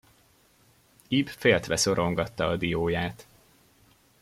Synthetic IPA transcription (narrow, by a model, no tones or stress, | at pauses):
ibfeːlt̪ʋɛso̞ɾʔo̞ŋɡɒt̪ːɒːd̪ijoːjaːt̪